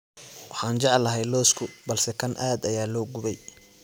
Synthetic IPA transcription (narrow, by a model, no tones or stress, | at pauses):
wɑħɑːnt͡ʃɑʕlːɐɦɛjlɔːskʰʊbɐlsɛkʰɐnʔaːd̪ɐjaːlɔːɡʊβɛj